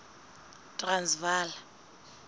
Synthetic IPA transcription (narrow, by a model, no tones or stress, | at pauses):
tʼransvaːla